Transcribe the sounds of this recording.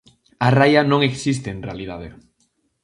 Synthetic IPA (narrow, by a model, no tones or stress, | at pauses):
arajanõŋeksist̪eːnrealið̞að̞e